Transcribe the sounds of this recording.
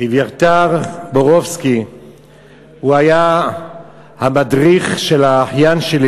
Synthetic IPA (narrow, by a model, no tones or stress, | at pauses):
ivjaʁt̪aʁboʁovski | huaja | hamadʁiχʃelaːħjanʃeli